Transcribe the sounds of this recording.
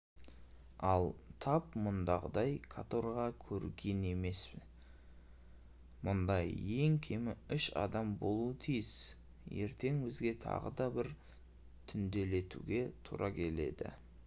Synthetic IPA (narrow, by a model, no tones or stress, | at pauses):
ɑlˠt̪ʰɑpmʊnd̪ɑʁəd̪ɑjkʰat̪o̞ɾʁɑkʲʰɵɾɡʲe̞ne̞me̞s | mʊnd̪ɑje̞ŋkʲʰemɪʏʃɑ̰d̪ɑmbo̞lˠuət̪ʰijɪs | je̞̰ɾt̪e̞ŋwɵzɡʲe̞t̪ʰɑ̰ʁəd̪ɑbɪɾ | t̪ʰʏnd̪e̞le̞t̪ṵɡʲe̞t̪ʰṵɾʔɑkʲʰe̞le̞̰d̪ɪ̰